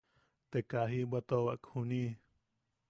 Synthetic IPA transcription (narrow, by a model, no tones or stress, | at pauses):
t̪ekaɦibat̪owaʔkhuni